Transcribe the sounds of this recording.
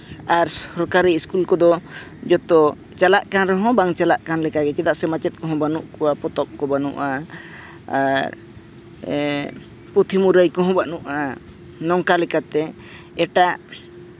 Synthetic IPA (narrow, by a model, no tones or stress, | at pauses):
aɾsɔɾkaɾiiskulkɔd̪ɔ | d͡ʒɔt̪ɔ | t͡ʃalaʔkanɾɔɦɔ̃baŋt͡ʃalaʔkanlɛkaɡɛt͡ʃɛd̪aʔsɛmat͡ʃɛt̪̚ˀkɔɦɔ̃banuʔkɔwapɔt̪ɔk̚kɔbanṵʔaː | ɾ | pɾut̪ʰimuɾəjkɔɦɔ̃baʔnuʔa | nɔŋkalɛkat̪ɛ | ɛʈaʔ